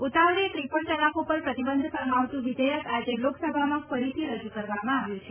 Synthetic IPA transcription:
ut̪aʋlet̪ɾipəɳt̪əlakʰopəɾpɾət̪ibənd̪ʱsəɾmaʋt̪ũʋid̪əjəkad͡ʒeloksəbʱamãfəɾit̪ʰiɾəd͡ʒukəɾʋamãaʋjũt͡ʃʰe

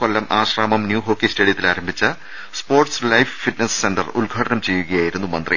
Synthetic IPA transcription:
kolːɐmʔaːɕraːmɐmnjuːɦo̞ːkːisteːɽijɐt̪ːilaːɾɐmbʱit͡ɕːɐ | spoːrʈslɐjffiʈnɐssendɐrulɡʱaːʈɐnɐmt͡ɕe̞jːuɣɐjaːjiɾunːumɐnd̪rḭ

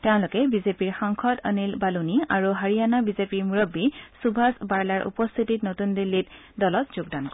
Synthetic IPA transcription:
teʊ̃lʊkɛbizepiɹxaŋkʰɔta̰nilbaluniaɹuɦaɹijanabizepiɹmuɹɔbːisubʱasbaɹlaɹʔṵpɔst̪ʰititnotundilːit̚ | dɔlɔtz̥oɡdank

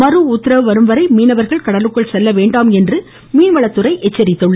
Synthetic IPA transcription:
mɐɾɯut̪ːɪɾɐʋɯʋɐɾɯmʋɐɾɐɪmiːnɐʋɐɾɣɐɭkɐɽɐlɯkːɐɭsɛlːɐʋeːɳɖaːmɛndrɯ | miːnʋɐɭɐt̪ːɯɾɐɪʔɛt͡ʃːɐɾɪt̪ːɯɭːɐ

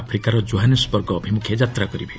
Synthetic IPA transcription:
pʰɾikaɾɔd͡ʒoɦanespɔɾɡɔːbʱimukʰjed͡ʒat̪ɾakɔɾibʱe

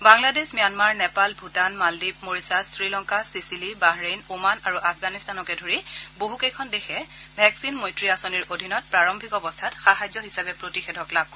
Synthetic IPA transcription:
baŋladesmijanmaɹnɛpalbʱutanmaldip̚moɹisasɹilɔŋkasisilibaɦɹejnumanaɹuʔafɡanistanɔkɛdʱoɹiboɦukejkʰɔndexʰɛ | bʱɛksinmojtɹiasoniɹodʱinɔt̚pɹaɹɔmbʱikɔbɔstʰatxaɦajzɔɦisabɛpɹotixɛdʱɔklab̚ʱk

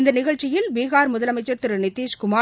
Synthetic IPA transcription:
nd̪ɐnɪɣɐɭt͡ʃːɪjɪlʋeːɣaːɾmʊðɐlɐmɐɪt͡ʃːɐɾt̪ɪɾɯnɪt̪ːiːʃkʊmaː

